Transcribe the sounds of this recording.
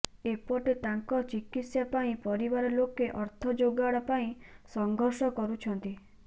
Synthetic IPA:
epɔʈet̪aŋkɔt͡ʃikit̪sjapaĩpɔɾibaɾɔlokeʔɔɾt̪ʰɔd͡ʒoɡaɽapaĩsɔŋɡʱɔɾsɔkɔɾut͡ʃʰɔnt̪i

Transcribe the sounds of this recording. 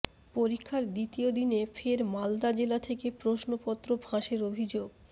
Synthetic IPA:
poɾikʰːaɾd̪it̪iod̪inefʰeɾmald̪ad͡ʑelat̪ʰekepɾoʃnopɔt̪ːɾobʱãʃeɾobʱid͡ʑoɡ

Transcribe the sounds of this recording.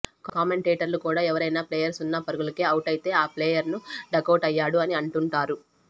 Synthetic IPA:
kaːme̞ɳʈeːʈɐɾlukuːɽaːɛʋɐɾɐjnaːpleːjɐɾsunːɐpɐɾuɡulɐkeːɐwʈɐjit̪e̞ːaːpleːjɐɾnuɖɐkɐwʈɐjːaːɽuɐniɐɳʈuɳʈaːɾu

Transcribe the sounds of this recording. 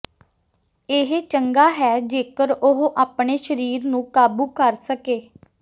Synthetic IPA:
ɪɦet͡ʃəŋɡaːɦɛːd͡ʒeːkəɾʊɦʔaːpɳeːʃəɾiːɾnũːkaːbuːkəɾsəkeː

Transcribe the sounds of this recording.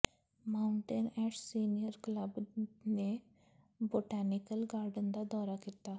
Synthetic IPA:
maːʊɳʈenɛːʈsiːnijəɾkləbne | boːʈɛːnɪkəlɡaːɾɖənd̪aːd̪ɔːɾaːkit̪aː

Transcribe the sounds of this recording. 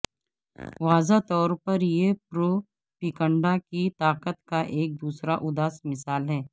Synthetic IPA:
ʋaːzat̪ɔːɾpɐɾjepɾoː | pikə̃ɳɖakit̪aːqət̪kaʔeːk̚d̪uːsɾaʔʊd̪aːsmɪsaːlɦɛː

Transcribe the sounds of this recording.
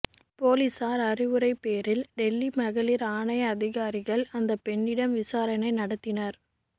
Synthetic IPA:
poːlisaːɾɐrɪʋɯɾɐɪpːeːɾɪlɖɛlːimɐɣɐlɪɾaːɳɐɪɐðɪɣaːɾɪɣɐɭɐnd̪ɐpɛɳːɪɽɐmʋɪsaːɾɐnɐɪnɐɽɐt̪ːɪnɐɾ

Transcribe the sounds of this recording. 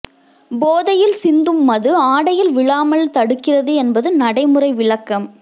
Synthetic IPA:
boːðɐjɪlsɪnd̪ɯmːɐðɯaːɽɐjɪlʋɪɭaːmɐɭt̪ɐɽɯkːɪrɐðɯɛnbɐðɯnɐɽɐɪmɯrɐɪʋɪɭɐkːɐm

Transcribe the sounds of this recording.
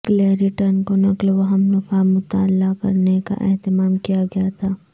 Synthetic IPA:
kleːɾiʈəɾnkonɐklʋɐɦɐmnʊfaːmʊt̪a̰ːlːakɐ̰ɾneka̰ʔɛ̰ɦt̪ɪmaːmkijaɡɐjat̪ʰaː

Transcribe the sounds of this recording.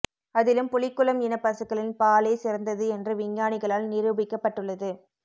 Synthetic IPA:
ɐðɪlɯmpʊlɪkːɯlɐmɪnɐpːɐsɯkːɐɭɪnpaːleːsɪɾnd̪ɐðɯɛndrɯʋɪɲjaːnɪɣɐɭaːlnɪɾɯbɪkːɐpːɐʈːɯɭːɐðɯ

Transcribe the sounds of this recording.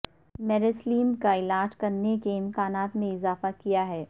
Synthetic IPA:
mɛɾesliːmkaɪlaːd͡ʒkɐɾnekeɪ̃mkaːnaːt̪mẽɪzaːfakijaɦɛː

